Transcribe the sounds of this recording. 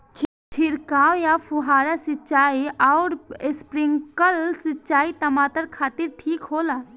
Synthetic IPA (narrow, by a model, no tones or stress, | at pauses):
t͡ʃʰ | t͡ʃʰɪɾkaːwjapʰʊɦaːɾasɪt͡ʃaːiɔːɾɪspɾɪ̃ŋkəlsɪt͡ʃaːit̪ɐmaːt̪əɾkʰaːt̪ɪɾʈʰiːkɦoːlaː